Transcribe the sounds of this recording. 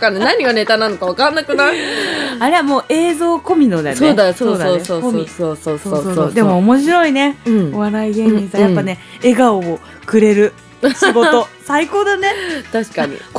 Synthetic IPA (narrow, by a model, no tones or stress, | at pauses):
kanenaɲ̟iɡane̞t̪anãnokaβakãnːakɯ̟na | aɾeamo̞ːʔe̞ːzo̞ːko̞mʲino̞d̪ensoːd̪asoːd̪aoːsoːkomʲsoːsoːsoːosoːsoːd̪e̞mo̞ːmo̞ɕiɾo̞ine̞ɯ̟̃ɴoβaɾaiɡẽ̞ɲːisajapːane̞ | eɡaoː | kɯ̟ɾe̞ɾɯ̟ | ɕiɡo̞t̪o̞saiko̞ːd̪ane̞t̪aɕi̥kaɲ̟ḭk